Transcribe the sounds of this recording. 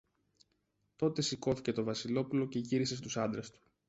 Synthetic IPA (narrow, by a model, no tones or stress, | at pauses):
t̪o̞t̪e̞siko̞θice̞t̪o̞vɐsilo̞pulo̞ce̞ʝiɾise̞st̪usɐnd̪ɾest̪u̥